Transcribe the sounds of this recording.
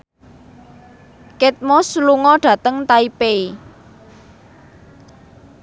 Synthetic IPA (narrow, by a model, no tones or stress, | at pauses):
kɪt̪̚mɔsluŋɔɖ̥ä̤t̪əŋt̪aipei